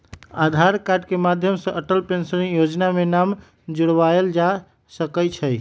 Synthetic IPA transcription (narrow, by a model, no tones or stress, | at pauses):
ad̪ʱaɾkaɖkemad̪ʱjəmsə̃ʔəʈəlpensəɾinjod͡ʒnamenam | d͡ʒuɽʋaeld͡ʒa | səkət͡ʃʰəj